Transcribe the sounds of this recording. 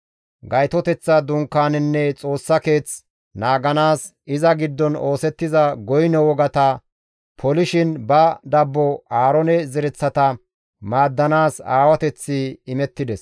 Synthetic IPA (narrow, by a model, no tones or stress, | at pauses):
ɡɐjt̪ɔt̪ɛt͡sːɐd̪ʊŋkːaːnɪnːɛt͡sʼo̞ːsːɐke̞ːt͡s | naːɡɐnaːs | ɪzɐɡɪd̪ːɔno̞ːsɛt̪ːɪzɐɡɔjnɛwɔɡɐt̪ɐ | pʰɔlɪʃɪnbɐd̪ɐbːɔaːɾɔnɛzɛɾɛt͡sːɐt̪ɐ | maːd̪ːɐnaːsa̰ːwɐt̪ɛt͡sːɪɪmɛt̪ːɪd̪ɛs